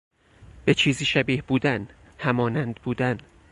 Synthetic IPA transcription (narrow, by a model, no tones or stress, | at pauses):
b̥et͡ʃʰiːziːʃæbiːhbuːd̪æn | hæmɒːnænd̪buːd̪æn